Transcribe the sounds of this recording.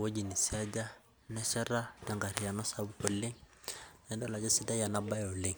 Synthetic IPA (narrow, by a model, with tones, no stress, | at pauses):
wo˦d͡ʒi˨ni˨si˦a˦d͡ʒa˦ | nɛ˦ʃɛ˦ɾa˦da˨ŋɡa˨ɾi˨ja˨nɔ˦sa˦bu˦ko˨le˦ŋnɛ˨ndɔ˦la˨d͡ʒɛ˦si˦da˦ja˨na˦ba˦jɔ˨le˦˨ŋ